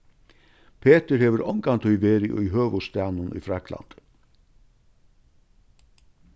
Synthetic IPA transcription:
pʰeːt̪əɾheːʋəɾɔŋkant̪ʰœʏʋeːɾɪʔʏ̰jɦøːʋʊst̪æːnʊnʏ̰ːfɾakʰla̰nt̪

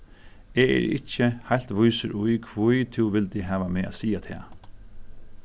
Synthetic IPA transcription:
ɛːɛ̰ɾɪ̰cːəhajl̥t̪ʋʊjsəɾʔʊjkʰʋʊjt̪ʰɪwʋɪlt̪ɪɦæːʋameːʔa̰ːsiːat̪ʰɛ̰ː

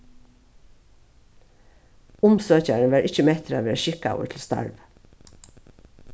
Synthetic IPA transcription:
ʊmsøːçæɳəʋæːɹʔɪc͡çəmɛt̪ʰɾɑʋeːʃɪka̰ʊə̰tʰl̩st̪ɑ̰ɹʋ

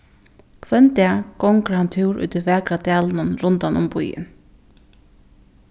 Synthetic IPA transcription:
kʰʋɛnt̪ɛːɡ̥ɔŋkɾhant̪ʰɪwɾʔṵːt̪ɪʋæːkɾad̪æːlnʊnɾʊnt̪anʊmpʊ̰jɪ̰n

